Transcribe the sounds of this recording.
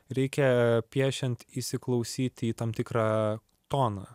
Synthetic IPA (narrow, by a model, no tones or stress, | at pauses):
ɾʲɛɪkʲɛpʲiɛʃʲɛnt̪ɪsʲɪklˠɐʊsʲiːt̪ʲiːt̪ɑmt̪ʲɪkɾɑː | t̪oːnɑ